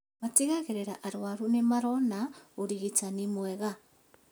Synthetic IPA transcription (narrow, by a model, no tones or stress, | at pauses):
matiɣaɣeɾeɾaʔaɾwaɾunemaɾɔnaoɾiɣitanimwɛɣa